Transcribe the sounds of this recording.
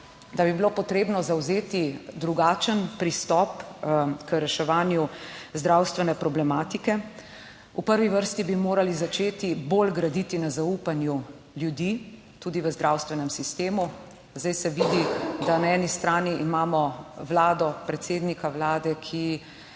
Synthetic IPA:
d̪abibilopɔt̪ɾeːbnɔzawzeːt̪id̪ɾuɡaːt͡ʃənpɾist̪ɔpkəɾɛʃɛʋaːnjuzd̪ɾawst̪ʋɛnɛpɾɔblɛmaːt̪ikɛ | upəɾʋiʋəɾst̪ibimoːɾalizat͡ʃeːt̪ibolɡɾad̪iːt̪inazaupanju | ljud̪i | t̪uːd̪iʋəzd̪ɾawst̪ʋɛnɛmsist̪eːmu | zd̪ajsɛʋiːd̪id̪anaɛːnist̪ɾaːniʔːmaːmɔwlaːd̪ɔpɾɛt̪seːd̪nikawlaːd̪ɛkʰi

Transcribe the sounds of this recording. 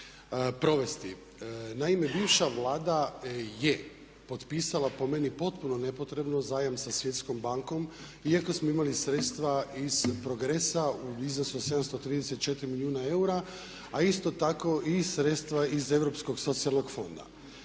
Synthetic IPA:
pɾo̞ʋe̞st̪i | naime̞biːʋʃaʋlˠaːd̪aje̞ | po̞t̪piːsalˠapo̞me̞nipo̞t̪puno̞ne̞po̞t̪ɾe̞bno̞zaːjamsasʋje̞t̪sko̞mbaŋko̞m | iako̞smoimalisɾet̪st̪ʋaiz̥pɾo̞ɡɾesauiznosuse̞d̪amst̪ot̪ɾiːd̪eset̪̚t͡ʃet̪iɾimiliuːnae̞uɾa | aist̪o̞t̪ako̞ʔiɾe̞t̪st̪ʋaize̞vɾo̞psko̞ɡso̞t̪sialˠno̞ɡfo̞nd̪a̰

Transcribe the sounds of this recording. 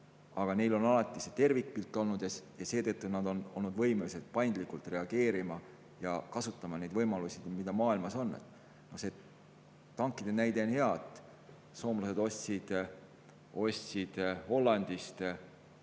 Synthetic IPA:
ɑɡ̥ɑne̞jlo̞nɑlɑt̪ˑːiset̪e̞rvik̚pilt̪ːˑo̞lnud̪̥jɑjɑse̞ːt̪ɤt̪ːunɑd̪o̞no̞̰lnud̪vɤ̞jmelise̞t̪̚pɑjnd̪likːˑult̪ˑre̞ɑɡ̥e̞ːɾimɑ | jɑkɑsut̪ːˑɑmɑne̞jd̪̥vɤjmɑlusʲid̪mid̪ɑmɑːilmɑso̞nːḛt̪ːˑ | no̞se̞ | t̪ɑŋkːˑid̪̥e̞næjd̪e̞onhe̞ɑt̪ | so̞ːmlɑse̞d̪̥o̞ssid̪̥ | o̞sʲsid̪̥ho̞lːɑnd̪̥ist̪

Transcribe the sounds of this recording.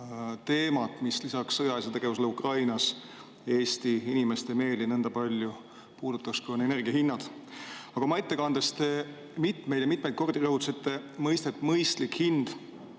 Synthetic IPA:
t̪e̞ːmɑt̪ˑmislisɑksːɤjɑes̬et̪e̞ɡ̥e̞vus̬elukrɑjnɑs | je̞ːsʲt̪iinime̞st̪eme̞ːlinɤnd̪ɑpɑlʲju | puːd̪̥ut̪ːˑɑkskuonene̞rɡ̥iɑhinːɑd̪̥ɑɡ̥ɑmɑet̪ːe̞kɑnd̪̥est̪e | mit̪me̞jd̥̪jɑmit̪ˑmejt̪̚ko̞rd̪̥irɤhut̪ːsit̪ːˑe̞mɤjst̪et̪ːˑmɤjst̪likhind̪̥

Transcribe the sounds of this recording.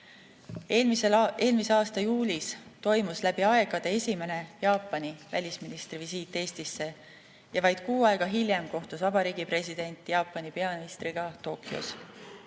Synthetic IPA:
mee̞ːlmise̞ɑːst̪ɑjuːlʲist̪o̞jmuslæb̥iɑe̞ɡ̥ɑd̪̥e̞e̞sʲime̞ne̞jɑːpːˑɑnivæ̰lʲisminist̪rivisiːt̪ːˑe̞ːst̪isːe̞ | jɑvɑjd̪̥kuːɑe̞ɡ̥ɑɦilʲjemko̞ht̪usvɑbɑɾiːɡipre̞sid̪̥e̞nʲt̪ːˑjɑːpːˑɑnipe̞ɑminist̪riɡ̥ɑt̪o̞ːkːˑiṵs

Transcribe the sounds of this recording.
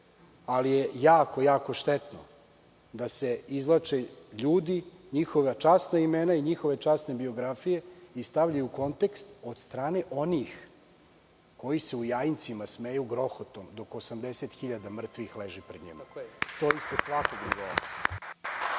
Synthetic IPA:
alijejaːko̞jaːko̞ʃt̪et̪no̰ | d̪ase̞izlˠat͡ʂeʎuːd̪iɲixo̞ʋat͡ʂasnaimenaiɲixo̞ʋe̞t͡ʂasne̞bio̞ɡɾafije̞ist̪aʋʎajuko̞nt̪ekst̪o̞d̪st̪ɾaːneʔo̞nix | ko̞jise̞ujajint̪simasmejuɡɾo̞xot̪omd̪o̞kosamd̪eset̪xiʎad̪amr̩t̪ʋixleʒipɾed̪ɲḭmat̪o̞ispɾod̪sʋakoɡnuɡo

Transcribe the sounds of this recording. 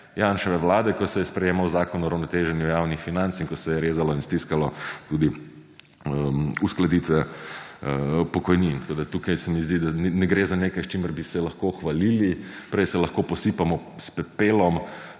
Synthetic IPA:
janʃɛʋɛʋlaːd̪ɛkɔsɛjɛspɾɛjeːmawzaːkɔnɔɾawnɔt̪eːʒɛnjujawnixfinant̪siŋkɔsɛjɛɾeːzalɔinst̪iskalɔt̪ud̪i | usklad̪iːt̪ʋɛ | pɔkɔjnint̪koːd̪at̪ukajsɛmizd̪id̪annɛɡɾeːzaneːkajst͡ʃiməɾbisɛlɐxkoxʋaliːlipɾɛjsɛlɐxkopɔsipamɔ | spɛpeːlɔm

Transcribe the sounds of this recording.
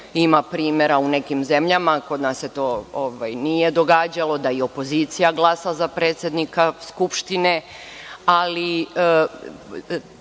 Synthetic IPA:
imapɾiːmeɾaune̞kimze̞mʎamako̞d̪nasːe̞t̪o̞ːoʋajnije̞d̪o̞ɡaːd͡ʑalˠo̞d̪aio̞po̞ziːt̪sijaɡlˠasazapɾeːt̪sjed̪nikaskupʃt̪ine̞ | ali

